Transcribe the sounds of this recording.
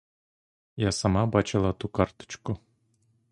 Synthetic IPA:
jɑsɑmɑbɑt͡ɕɤ̆lˠɑt̪ukɑrt̪ɤ̥̆t͡ɕko

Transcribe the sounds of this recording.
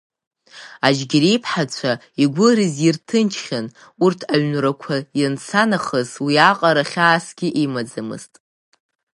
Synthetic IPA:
ad͡ʒɡʲiɾejpʰħat͡ɕʷʰa | iɡʷʊɾɨzirtʰɨnt͡ʃʰχʲan | urtʰaɥnrakʷʰajant͡sʰanaχəzwiaqʼaɾaχʲaːsɡʲɪʔimad͡zɨmɨ̰ztʼ

